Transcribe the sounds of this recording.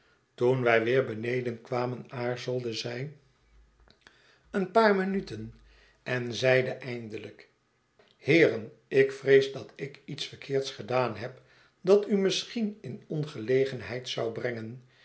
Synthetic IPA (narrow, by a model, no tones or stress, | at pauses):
tunʋɛjʋɪːɹbənejdənkʋaːmənaːɹzəlˠdəzɛj | ənpaːɹmənytən | ɛnzɛjdəʔɛjndələk | hɪːrən | ʔɪkfrejzdɑtɪkitsfəɹkʰɪːɹtsχədaːnɦɛp | dɑtymɪsχinɪnɔnχəlejχənɦɛjtsɑwbrɛŋən